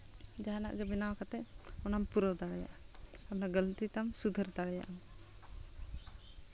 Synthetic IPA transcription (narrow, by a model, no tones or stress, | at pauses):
d͡ʒaɦana̰ʔɡɛbɛnawkat̪ɛʔɔnampuɾɔwd̪aɽɛja̰ʔaanaɡəlt̪it̪amsud̪ʱəɾt̪aɽɛja̰ʔa